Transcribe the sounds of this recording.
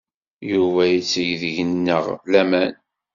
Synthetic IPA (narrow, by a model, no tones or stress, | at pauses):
juvæjət͡sːjðʝənːəʁlæmæn